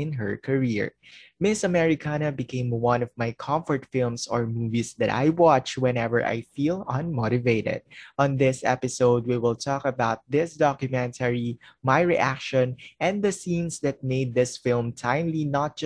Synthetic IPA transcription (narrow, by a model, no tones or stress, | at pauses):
ɪ̃nɦəɹkʰəɹiɹmɪsɐmɛɹɪkʰanɐbɪkʰẽɪ̃mwʌ̃nɔvmajkʰʌ̃mfɔɹt̪fɪlˠmsɔɹmuːvisd̪ɨt̪a̰jwɑt͡ʃwɛ̃nɛvə̰˞ʔa̰jfilʌ̃nmoɾɪveɪɾɛ̰d̪̚ʔɔ̃nðɪsɛ̰pɪsoʊd̪̚wiwɪlˠt̪ʰɔkəbaʊt̪̚ðɪsd̪ɑkjʊmɛ̃nt̪ʰəɹimajɹiʔækʃɔ̃nʔɛ̃nðəsĩnsd̪ɨt̪̚meɪd̪̚ðɪsfɪlˠmt̪ʰãɪ̃mlinət̪̚d͡ʒ